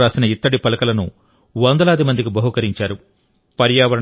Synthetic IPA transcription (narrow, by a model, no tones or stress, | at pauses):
ɾaːsinɐit̪ːɐɽipɐlɐkɐlɐnṵ | ʋɐnd̪ɐlaːd̪imɐnd̪ikibɐɦukɐɾiɲt͡ʃaːɾu | pɐɾjaːʋɐɾɐ